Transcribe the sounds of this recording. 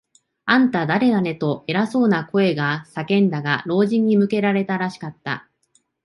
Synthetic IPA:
ãnt̪ad̪aɾe̞d̪ane̞t̪o̞e̞ɾaso̞ːnako̞e̞ɡasakẽ̞nd̪aɡaɾo̞ːʑĩɲ̟ːimɯ̟ke̞ɾaɾe̞t̪aɾaɕi̥kat̪ːa̰

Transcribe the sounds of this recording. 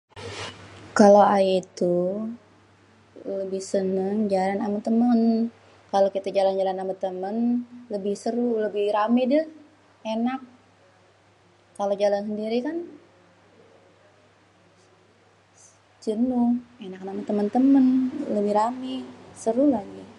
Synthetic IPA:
kaloajit̪u | ləbɪhsənəŋd͡ʒalanamət̪əmən | kalokit̪ad͡ʒaland͡ʒalanːamət̪əmənləbɪhsəɾuləbɪhɾamɛdʊ | enak̚ | alod͡ʒalansəndiɾikan | d͡ʒənuenak̚namant̪əmənt̪əmənləbɪhɾamɛsəɾulaɡi

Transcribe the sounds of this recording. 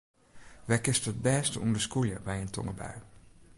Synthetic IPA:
ʋɛkɪstəət̚bɛːstəundəskuljəbɛjəntʰɔ̰ŋəbœ̰ɥ

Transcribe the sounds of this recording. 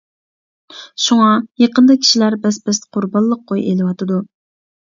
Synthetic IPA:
ʃuŋɑjeqənd̪ɑkʲʰi̥ʃilæɾbɛsbɪzqʰʊɾbɑnˠːəq̚ʰːojelɪwɑt̪ɨd̪u

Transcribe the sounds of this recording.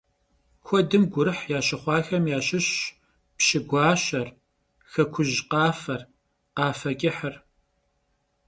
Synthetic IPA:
kʷʰɔdɨmɡʷʊɾɨħjaːɕɐχʷɑːxɐmjaːɕɪɕ | pɕɪɡʷɑːɕɐr | xɐkʷʰʊʑqɑːfɐr | qɑːfɐkʲʼɪħər

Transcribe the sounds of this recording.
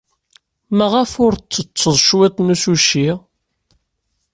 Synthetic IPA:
mæʁæfʊɾt͡sːət͡sːəðˤʃwæt̪nusuʃi

